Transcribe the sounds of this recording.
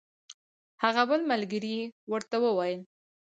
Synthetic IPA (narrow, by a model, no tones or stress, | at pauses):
haɣabəlmalɡəɾiwəɾt̪awəwajəl